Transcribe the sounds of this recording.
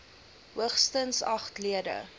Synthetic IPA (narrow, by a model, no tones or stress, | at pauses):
ɦuəχstənsɐχtliədə̰